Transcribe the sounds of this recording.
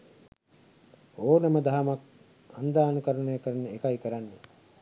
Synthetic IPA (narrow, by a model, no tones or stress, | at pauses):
oːnɐməd̪aɦamak̚ | and̪aːnukəɾənəjəkəɾənəekaikəɾanːe